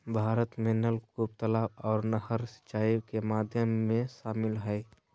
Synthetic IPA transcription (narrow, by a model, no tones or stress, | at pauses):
bʱaːɾət̪menəlkub̚t̪əlaːbɔːɾnəɦəɾsə̥t͡ʃːaːikemaːd̪ʱjəmːẽʃaːmɪlɦəj